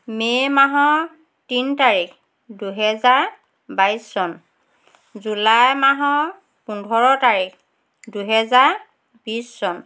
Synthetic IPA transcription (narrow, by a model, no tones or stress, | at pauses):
memaɦɔ | tintaɹik | duɦɛzaɹ | bajsːɔn | zulajmaɦɔ | pundʱɔɹɔtaɹikʰ | duɦɛzaɹ | bisːɔn